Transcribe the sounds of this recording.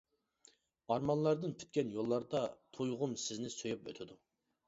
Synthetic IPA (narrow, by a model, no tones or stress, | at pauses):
ɑɾmɑnlˠɑɾd̪ɨnpʰy̥t̪̚kʲɛnjolˠːɑɾd̪ɑt̪ʰojʁʊmsɪznɪsøjɛpø̰t̪ʰɪd̪u